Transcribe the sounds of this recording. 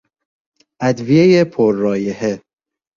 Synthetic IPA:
ʔæd̪vijejepʰoɾːɒːjehe

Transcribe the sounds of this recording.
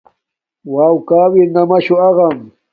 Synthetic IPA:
wawkaːwɪnamaʃʊɑɢɑm

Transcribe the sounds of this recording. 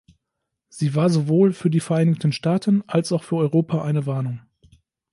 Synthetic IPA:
z̥iːvaːɐzovoːlfyːɐdiːfɛɐʔaɪnɪçtn̩ʃtaːtʰənʔalsaʊxfyːɐʔɔʏʁoːpʰaʔaɪnəvaɐnʊŋ

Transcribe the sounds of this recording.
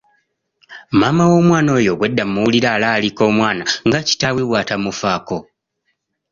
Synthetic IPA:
maːmawo̞ːmwaːno̞ːjo̞βwe̞dːamːuwuliɾaːlaːliko̞ːmwaːnaŋɡaci̥tawiβwaːtamufaːko̞

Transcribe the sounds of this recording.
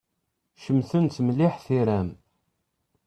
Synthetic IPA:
ʃəmθənt̪mlɪħθiɾæm

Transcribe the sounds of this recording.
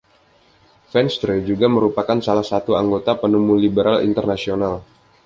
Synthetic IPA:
fɛnst̪ɾed͡ʒuɡaməɾupakansalahsat̪uaŋɡot̪apənumulibəɾalḭnt̪ərnasional

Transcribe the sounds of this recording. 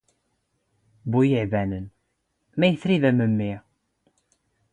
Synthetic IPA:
bujəʕvænən | mæjəθɾiðæməmːi

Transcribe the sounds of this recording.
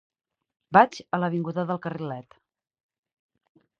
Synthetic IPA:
bad͡ʒələβiŋɡuðəðəlˠkərilɛt̪

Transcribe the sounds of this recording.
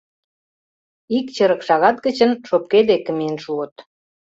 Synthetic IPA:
ik̚t͡ɕə̆ɾə̆kʃɑɣɑt̪̚ɡə̆t͡ɕə̆nʃop̚ked̪ekə̆miənʃuət̪

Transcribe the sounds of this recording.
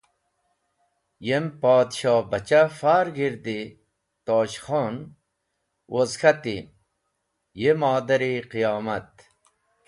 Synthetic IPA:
jempaːd̪ɕɑːbɐt͡ɕafaːɾɡiɾd̪i | t̪oːɕχoːn | wʔozkɐt̪i | jemaːd̪ɐɾiqijaːmɐt̪

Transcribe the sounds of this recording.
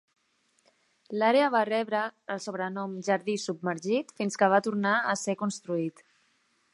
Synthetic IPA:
laɾeəβ̞arɛβɾəːlˠsoβɾənɔmʒəɾðisub̚məɾʒit̪finskəβat̪uɾnaəsɛkunst̪ɾuit̪

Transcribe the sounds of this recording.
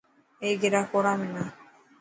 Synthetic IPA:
ejɡeɾakɔɾamena

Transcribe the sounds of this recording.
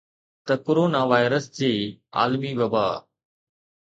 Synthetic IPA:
t̪ɐkoɾoːnaʋaːɪɾəsd͡ʑeːa̰ːlmiʋɐbaː

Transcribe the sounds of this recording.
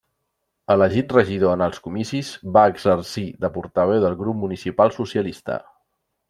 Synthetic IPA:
ələʒit̪rəʒið̞oənəlˠskumisizβaəɡzəɾsiðəpuɾt̪əβ̞ɛwðəlˠɣɾup̚munisipalˠsusiəlist̪ə̰

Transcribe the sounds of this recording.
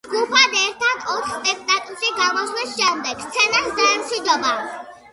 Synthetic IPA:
d͡ʒɡupʰad̪ɛɾt̪ʰad̪ɔt̪ʰχsp̪ʼɛkʰt̪ʼat̪ʼuʃiɡamɔslisʃɛmd̪ɛɡ̥st̪sʰɛnasd̪aɛmsid̪ɔma

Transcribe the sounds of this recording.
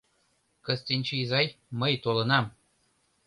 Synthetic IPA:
kə̆st̪inʲt͡ɕeizɑjməjt̪olɤ̆nɑm

